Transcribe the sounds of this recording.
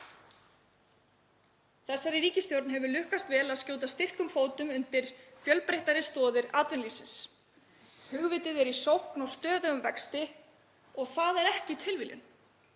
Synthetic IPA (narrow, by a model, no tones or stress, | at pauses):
θɛsːaɾɪɾiːcɪst̪jowɾt̪nɦɛvʏlʏhkast̪vɛːlaðscoːwt̪̬ast̪ɪr̥kʏmfoːwt̪ʏmʏnt̪ɪɾ̥fjœlpɾejht̪aɾɪst̪ɔːðɪɾaːt̪vʏnliːsɪns | hʏɣvɪt̪ɪðɛɾisowhknɔɣst̪œːðʏɣʏmvɛkst̪ɪ | ɔɣθaðɛɾɛhcɪt̪ʰɪlviljʏ̰n